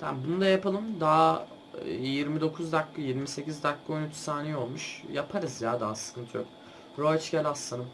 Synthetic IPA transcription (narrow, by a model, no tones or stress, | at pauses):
t̪ʰæ̰nbunud̪ajapalˠɯmd̪aɦa | jiɾmid̪o̞kʰuzd̪akːɯjeɾmise̞cizd̪akːojnyt͡ʃ̪ʰsaːnejo̞lˠmuʃjapʰaɾɯzjaːd̪aːsɯ̥kʰɯnt̪ʰɯjok̚ | ɾot͡ʃɟʲælʲasanɯm